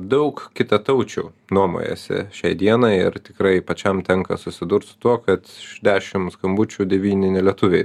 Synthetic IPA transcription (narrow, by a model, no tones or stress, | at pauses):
d̪ɐʊkkʲɪt̪ɐt̪ɐʊt͡ʃʲuː | nuɔmo̰ːjɛ̰sʲɪ̰ʃʲɛɪd̪ʲiɛnɐɪɪ̰ɾt̪ʲɪkɾɐɪpɐt͡ʃʲɛmt̪ʲɛŋkɐ̰sʊsʲɪd̪ʊɾt̪sʊ̥t̪uɔkɐt̪ɪʃd̪ʲæːʃʲɪmskɐmbʊt͡ʃʲuːd̪ʲɛʋʲiːnʲɪnʲɛlʲiɛt̪ʊʋʲɛɪ